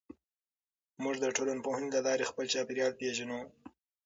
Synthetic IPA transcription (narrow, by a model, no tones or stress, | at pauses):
mʊʐd̪əʈolanpohɪnd̪lalɑɾexpəlt͡ʃɑpeɾjɑlpeʒanu